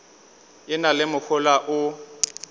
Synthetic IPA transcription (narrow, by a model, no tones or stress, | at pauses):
ɪnalɪmʊk͡xʰʊlaʔʊ